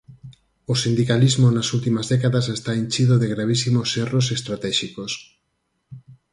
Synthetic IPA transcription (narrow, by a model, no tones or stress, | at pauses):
osind̪ikalizmonasult̪imɐzðɛkaðasest̪aiɲt͡ʃiðoðeɣɾaβ̞isimoseros̬est̪ɾat̪ɛʃikos